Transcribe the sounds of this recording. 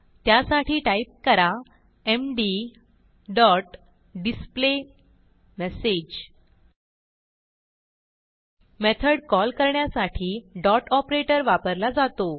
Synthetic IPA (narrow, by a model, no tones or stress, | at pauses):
t̪jasaʈiːʈaip̚kəɾa | emɖi | ɖɔʈ | ɖisple | mɛsed͡ʑ | met̪ʰəɽkɔlkəɾɳjasaʈʰiːɖɔʈɔpɾeʈəɾʋapəɾlad͡zat̪o